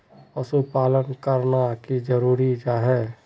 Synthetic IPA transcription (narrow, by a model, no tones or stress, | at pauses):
əsupaːlənkəɾnakid͡ʒəɾuːɾid͡ʒaɦɛː